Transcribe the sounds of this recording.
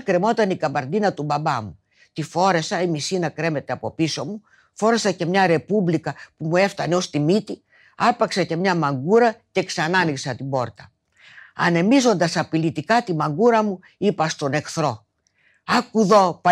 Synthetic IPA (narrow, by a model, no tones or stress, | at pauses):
kɾe̞mo̞t̪ɐnikɐmbɐɾnd̪inɐt̪ubɐbɐmu | t̪ifo̞ɾe̞sɐimisinɐkɾe̞me̞t̪e̞ɐpo̞piso̞mu | fo̞ɾe̞sɐce̞mɲɐɾe̞publikɐpumue̞ft̪ɐne̞o̞st̪imit̪i | ɐpɐksɐce̞mɲɐmɐŋɡuɾɐce̞ksɐnɐniksɐt̪ibo̞ɾt̪ɐ | ɐ̰ne̞mizo̞nd̪ɐsɐpilit̪ikɐt̪imɐŋɡuɾɐmu | ipɐst̪o̞ne̞kθɾo̞ | ɐkuðo̞pɐ